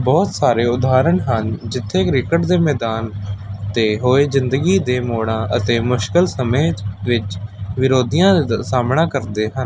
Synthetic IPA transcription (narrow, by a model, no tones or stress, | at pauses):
bɔːt̪saːɾeːʊd̪aːɾəɳɦənd͡ʒɪt̪ʰːeːkɾɪkəʈd̪eːmɛːd̪aːnt̪eːɦoːeːzɪnd̪əɡiːd̪eːmoːɽãːʔə̰t̪eːmʊʃkəlsəmẽːʋɪt͡ʃʋɪɾoːd̪ijãːsaːmɳãːkəɾd̪eːɦən